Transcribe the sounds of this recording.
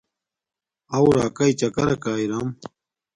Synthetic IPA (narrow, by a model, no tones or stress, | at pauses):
ɐwɾaːkɐit͡ɕɐkɐɾɐkaːiɾam